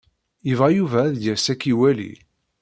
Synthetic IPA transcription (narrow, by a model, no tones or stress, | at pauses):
əvʁajuvæðjæsækːiwælḭ